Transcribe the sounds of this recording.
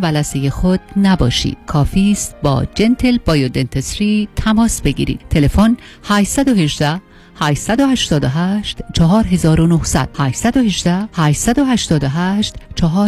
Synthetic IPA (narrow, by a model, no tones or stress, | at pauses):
bælæsejexod̪̥̚næbɒ̰ːʃḭːd̪̥kʰɒːfiːst̪̚bɒ̰ːd͡ʒe̞nt̪ʰe̞lbɒːjod̪e̞nt̪ʰesɾiːt̪ʰæmɒːsbe̞ɡḭːɾḭd̪t̪ʰe̞lefon | hæːʃsæd̪ohe̞ʒd̪æ | hæʃsæd̪o̞hæʃt̪ɒːd̪oɦæːʃt̪t͡ʃʰɒɦɒːɾɦe̞zɒːɾonohsæ̰d̪̥hæːʃsæd̪ohe̞ʒd͡ʒd̪æhæːʃsæd̪o̞hæʃt̪ɒːd̪oɦæːʃt̪t͡ʃʰɒɦɒː